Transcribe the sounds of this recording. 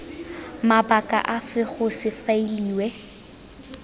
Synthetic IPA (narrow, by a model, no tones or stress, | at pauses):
mabakʼa̰ʔafɪχʊsɪfailiːwɛ